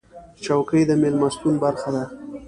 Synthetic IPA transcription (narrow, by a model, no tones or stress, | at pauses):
t͡ʃawkəjd̪əmelmast̪unbaɾxad̪a